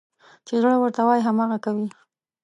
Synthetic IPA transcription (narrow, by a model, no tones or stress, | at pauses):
t͡ʃeɣəɽawəɾt̪awɑjɦamɑɣakawi